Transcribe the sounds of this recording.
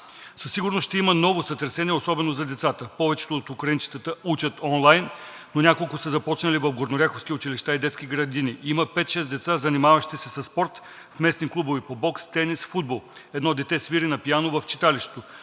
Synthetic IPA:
sɐsːiɡʊɾnosʃt̪ɛimənɔvosɐt̪ɛɾsɛniɛosɔbɛnozɐd̪ɛt̪sat̪əpɔvɛt͡ʃɛ̥t̪oːt̪ʊkɾɐint͡ʃi̥t̪ət̪əut͡ʃət̪ɔnlˠajnː | onʲakolˠkʊsəzɐpɔt͡ʃnɐlivɐfɡoɾnoɾʲjakofskʲiʊt͡ʃiliʃt̪aid̪ɛt̪sk̟ʲiɡɾɐd̪iniiməpɛt̪ʃɛsd̪ɛt̪sazɐnimavɐʃt̪isɛsɐspɔɾt̪ | fmɛsniklˠubovipobɔkst̪ɛnisfud̪̚bolˠ | ɛd̪nɔd̪ɛt̪ɛsviɾinɐpijanovɐft͡ʃi̥t̪aliʃt̪ɛ̥t̪o

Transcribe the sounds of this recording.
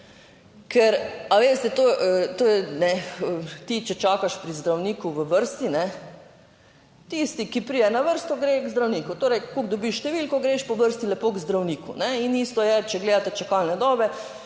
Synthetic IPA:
kʰɛɾaʋeːst̪ɛt̪oʔət̪oːjɛnɛət̪it͡ʃɛt͡ʃaːkaʃpɾizd̪ɾawniːkuʋəʋəɾst̪inɛ | t̪ist̪ikipɾiːɛnaʋəɾst̪ɔɡɾeɡzd̪ɾawniːkut̪oːɾɛjkoɡd̪ɔbiʃʃt̪ɛʋiːlkɔɡɾeʃpɔʋəɾst̪ilɛpoːɡzd̪ɾawniːkṵnɛinist̪ɔjɛt͡ʃɛɡleːd̪at̪ɛt͡ʃakalnɛd̪ɔːbɛ

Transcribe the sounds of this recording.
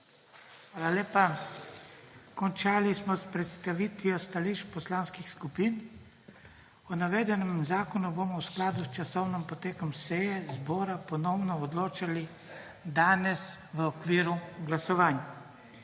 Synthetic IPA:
xʋaːlaleːpa | kɔnt͡ʃaːlismɔspɾɛt̪st̪aʋiːt̪ʋiɔst̪aliʃt͡ʃpɔslaːnskixskupiːn | ɔnaʋeːd̪ɛnɛmzaːkɔnuboːmɔwsklaːd̪ust͡ʃasɔwnɛmpɔt̪eːkɔmsɛjɛzbɔːɾapɔnɔwnɔɔd̪loːt͡ʃali | d̪aːnɛsʋəɔkʋiːɾuɡlasɔʋaːnja

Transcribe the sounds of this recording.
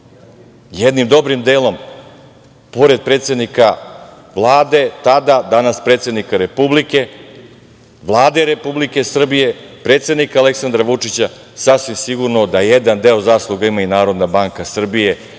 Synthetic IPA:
jed̪nimd̪o̞bɾimd̪eːlˠo̞m | po̞ɾe̞d̪̚pɾe̞ːt̪se̞d̪nika | ʋlˠaːd̪e̞t̪ad̪ad̪anaspɾet̪sed̪nikaɾe̞publike̞ | ʋlˠaːd̪e̞ɾe̞publike̞sr̩bije̞pɾe̞ːt̪se̞d̪nikaaleksand̪ɾaʋut͡ʂit͡ɕa | sasʋimsiɡuɾnod̪ajed̪and̪e̞ozaːslˠuɡaimainaːɾo̞d̪nabaːŋkasr̩bije̞

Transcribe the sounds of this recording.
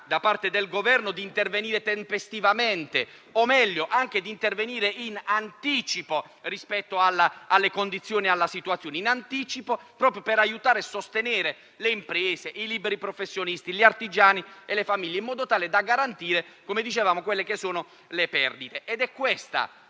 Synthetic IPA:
d̪apart̪ed̪elɡovɛrnod̪iːnt̪erveniːɾet̪empest̪ivament̪e | omɛʎːoʔaŋk̟ed̪iːnt̪erveniːɾeʔinant̪iːt͡ʃipo | rispɛt̪ːoalːaalːekond̪it̪sːjoːnialːasit̪wat̪sːjoːneinant̪iːt͡ʃipopɾɔːpɾjopeɾajut̪aːɾesːost̪eneːɾe | leimpɾɛːseʔilibeɾipɾofesːjonist̪ilart̪id͡ʒaːnielefamilʎːeimːɔːd̪ot̪aːled̪aɡaɾant̪iːɾekomed̪it͡ʃevaːmokwelːekesːoːno | lepɛrd̪it̪eʔed̪ɛkːwest̪a̰

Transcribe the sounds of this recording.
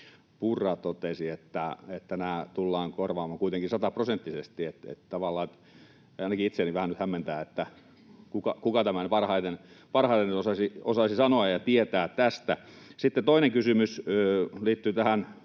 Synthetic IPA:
purːɑːt̪t̪ot̪esiet̪ːæet̪ːænæːt̪ulːɑːŋkorʋɑːmɑkuit̪eŋkinsɑt̪ɑprosent̪ːisest̪iet̪ḛt̪t̪ɑʋɑlːɑːet̪ | ɑinɑkiit̪seːniʋæhænnyt̪hæmːent̪æːet̪ːæ | kukɑkukɑt̪æmænpɑrhɑit̪enpɑrhɑit̪enyt̪osɑsiosɑisisɑnoɑjjɑt̪iet̪æːt̪t̪æst̪æ | sit̪ːet̪oineŋkysymysøliːt̪ːyt̪æhæn

